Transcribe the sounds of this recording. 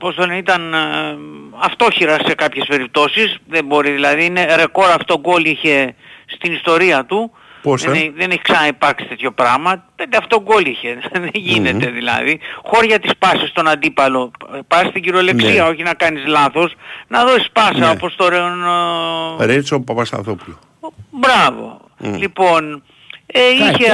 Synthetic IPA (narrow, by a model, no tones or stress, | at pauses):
opost̪oeit̪ɐn | ɐft̪o̞çiɾɐse̞kɐpçe̞spe̞ɾip̚t̪o̞sisðe̞mbo̞ɾiðilɐðiine̞ɾe̞ko̞ɾɐfot̪o̞ɡo̞liçe̞st̪inist̪o̞ɾiɐt̪u | posðe̞neçi̥ksɐnɐipɐɾksi̥t̪e̞t̪ço̞pɾɐmɐpend̪eɐftot̪oɡo̞liçe̞ðeʝine̞t̪e̞ðilɐ̰ðixo̞ɾʝɐt̪ispɐsist̪o̞nɐnd̪ipɐlo̞pɐst̪iɟiɾo̞le̞ksiɐo̞çinɐkɐnizlɐθo̞snɐðo̞si̥spɐsɐopo̞st̪oɾeon | ɾet͡sopɐpɐst̪ɐ̰θopulo | bɾɐvo̞̰ | lipo̞n | eiçe